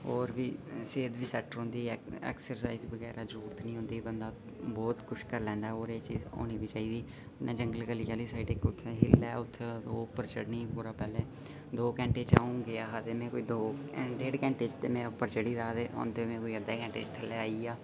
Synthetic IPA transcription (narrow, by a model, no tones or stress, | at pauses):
oːɾʋiːseːd̪ʋiːsɛːʈəɾɦõːnd̪iːɛ̰ːksəɾsaːiːzbəɡɛːɾaːzəɾuːɾt̪nĩːɦõnd̪iːbənd̪aː | bɔːt̪kʊʃkəɾlɛ̃ːnd̪aːɛoːɾeːt͡ʃḭːzo̰ːniːbiːt͡ʃaːiːd̪iː | nẽːd͡ʒəŋɡəlɡəliːjaːliːsaːiɖɪkʊt̪ʰːeːɦɪlɛːʊt̪ʰːeoːpəɾt͡ʃəɽnĩːpuːɾaːpɛːlẽː | d̪oːkɛ̃ːɳʈeːt͡ʃaːũːɡeaːɦat̪eːmɛ̃ːkoːiːd̪oːɖeːɖkɛ̃ːɳʈeːt͡ʃt̪eːmɛ̃ːpəɾt͡ʃəɽiːd̪aːd̪eːõ̰ːnd̪eːmɛ̃ːkoːiːəd̪eːkɛ̃ːɳʈḛːt͡ʃt̪ʰəlːeːaːiːaː